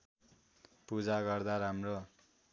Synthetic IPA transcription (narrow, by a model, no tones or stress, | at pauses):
pud͡zaɡʌrd̪aɾamro